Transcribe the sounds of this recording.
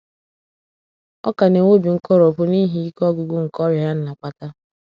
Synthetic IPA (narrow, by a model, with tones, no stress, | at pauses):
ɔ̰˦ka˨ne˨ŋo˦bi˨ŋ̩˦kɔ˦ɾo˨pʊ˦ni˦ɦi˦i˦kɔ˦ɡʊ˨ɡʊ˦ŋ̩˨kɔ˦ɾja˦n̩˦na˨kʷa˨ta˦